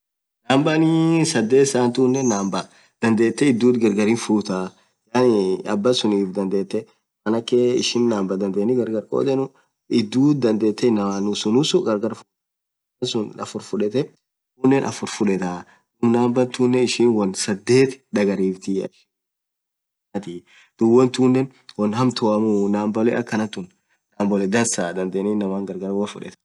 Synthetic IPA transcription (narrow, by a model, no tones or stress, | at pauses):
naːmbɐnisɐd̪ːe̞ːt̪ɪsaːnt̪uːnːɛnːaːmbɐ | d̪̥ɐnd̪e̞ːt̪ːɛɪd̪ːuːt̪ɡɛɾɡɐɾiːnfuːt̪a | jaːnɐbːɐsʊniːfd̪ɐnd̪e̞ːt̪ːɛ | mɐnɐkːeɪ̰ʃɪnːaːmbɐd̪ɐnd̪eːnːɪɡɐɾɡɐɾkʼo̰ːd̪ɛnʊ | ɪd̪ːuːd̪ɐnd̪e̞ːt̪ːɛɪnːɐwaːnʊsʊnʊsʊɡɐɾɡɐɾfʊ | ɐnsʊnɐ̰fʊɾfʊᶑɛt̪ɛ | uːnːɛnʔɐ̰fʊɾfʊᶑɛt̪a | ʊmnaːmbɐnt̪uːnːɛɪʃiːnwɐnsɐd̪ːe̞ːt̪ᶑ̪ɐɡɐɾiːft̪iɐ̰ | t̪iː | d̪̥ʊwːɐnt̪uːnːɛn | wɐnhɐmt̪ʰoʔɐmunaːmbɐlɛʔɐkːɐnɐt̪ːʊn | naːmbɔlɛd̪ɐnsaːd̪ɐnd̪eːnɪnːɐmaːŋɡɐɾɡɐɾwɐfʊᶑɛ̰t̪